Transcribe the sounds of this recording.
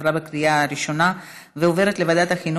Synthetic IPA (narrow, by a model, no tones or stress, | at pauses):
ɾabekɾijaaɾiʃo̞na | veove̞ɾe̞t̪levad̪at̪haxinu